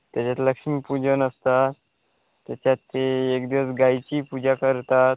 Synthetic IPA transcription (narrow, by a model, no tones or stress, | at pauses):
t̪jat͡ɕat̪ləkʂmipud͡ʑənəst̪a | t̪ːjat͡ɕjat̪ːeekd̪iʋəsɡajt͡ɕiːpud͡ʑakəɾt̪at̪̚